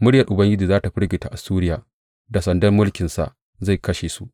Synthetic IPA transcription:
mʊ˦ɽjɐ˨rʔʊ˨bɐ˦ŋɡʲɪ˦d͡ʒiː˨zaː˦ta˨ɸɪ˦ɽɡʲɪ˨ta˨ʔa˨suː˦ɾɪ˦jaː˨ | da˨sɐ˨ndɐ˦mːʊ˦lkʲɪ˨nsa̰˨ʔ | za˦˨jkɐ˦ʃeː˨su˦ʔ

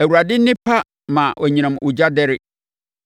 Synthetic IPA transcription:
æ˨wu˨ɾa˨dɪ˦nɪ̃˦pʰa˦ | mã˨ʔɔ˨ɲĩ˨nã˨mʔu˨d͡ʑa˦dɛ˦ɾɪ˦

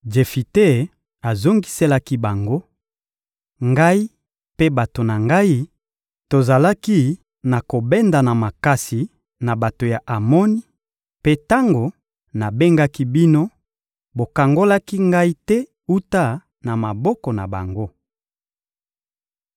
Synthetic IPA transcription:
d͡ʒe˨fi˨te˦ | a˨zo˦ŋɡi˦se˦la˦ki˦ba˨ŋɡo˦ | ŋɡa˦i˦ | pe˦ba˨to˨na˨ŋɡa˦i˦ | to˨za˨la˦ki˦ | na˨ko˨bɛ˦nda˨na˨ma˨ka˦si˨ | na˨ba˨to˨ja˨ʔa˨mɔ˦ni˦ | pe˦ta˦ŋɡo˨ | na˨be˦ŋɡa˦ki˦bi˦no˦ | bo˨ka˨ŋɡo˦la˦ki˦ŋɡa˦i˦tɛ˦ | u˦ta˦ | na˨ma˨bɔ˦kɔ˨na̰˨ba̰˨ŋɡo˦

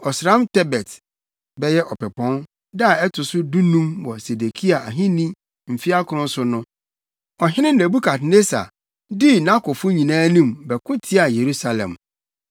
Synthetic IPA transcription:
ɔ˨sɾã˦mtʰɛ˦bɛ˨t | bɛ˦jɛ˦ʔɔ˨pɛ˨pʰɔ̃˦n | da˦˨ɛ˦tʰʊ˨sʊ˦dũ˦nũ˦mwɔ˨se˨de˨kʰi˦a˨a˨ɦɪ̃˦nĩ˦ | m̩˨fi˦a˦kʰʊ˨ɾʊ̃˦sʊ˦nʊ̃˦ | ɔ˨ɦɪ̃˦nɪ̃˦n̩˨næ˨bu˦kʰa˨tne˦sa̰˨ | dɪ˦nã˦kʰʊ˨fʊ̃˦ɲĩ˨nãː˦nĩ˦˨mbɛ˨kʰʊ̃˦tʰɪ˦a˨je˨ɾu˦sa˨lɛ̰̃˨m

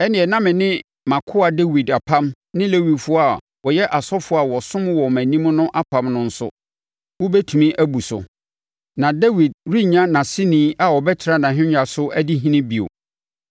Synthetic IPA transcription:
ɛ˦nɪ̃˨ɛ˨nã˦mɪ̃˨nɪ̃˦ | mã˨kʰʊ˦a˨de˦wi˨da˨pʰã˦m | nɪ̃˦le˦wi˨dfʊ˦a˨ | wɔ˨jɛ˦ʔa˨sɔ˦fʊ˦a˨wɔ˨sʊ̃˦m˦wɔ˨mæ̃˨nĩ˦mʊ̃˦nʊ̃˦ʔa˦pʰã˨mnʊ̃˦n̩˦sʊ˦ | wɔ˦bɛ˦tʰu˨mĩ˦ʔæ˦bu˨sʊ̰˨ | nã˨dɛ˦wi˨d̚ɾi˦ɲã˦nã˨sɪ˦nĩː˨˦ʔa˨wɔ˨bɛ˦tʰɪ˨ɾa˦nã˨ɦɪ̃˦ɲᶣa˨sʊ˦ʔæ˦di˦ɦĩ˦nɪ̃˦bi˨o̰˨

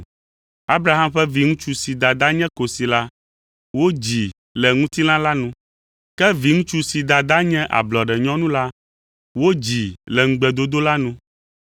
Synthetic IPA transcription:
a˦bɾa˨˦ɦa˦mɸɛ˦vi˨ŋũ˦t͡ʃu˦si˨d̪a˨d̪a˦ɲɛ̃˦ko˨si˨la˦ | wo˦d͡ʑi˨ | lɛ˨ŋũ˦t̪i˦nã˦la˦nũ˦ | kɛ˦vi˨ŋũ˦t͡ʃu˦si˨d̪a˨d̪a˦ɲɛ̃˦ʔa̰˨blɔ˨ɖɛ˨ɲɔ̃˦nũ˦la˦ | wo˦d͡ʑi˨lɛ˨ŋ̩˨ɡ͡bɛ˨d̪o˦d̪o˦la˦nũ˦

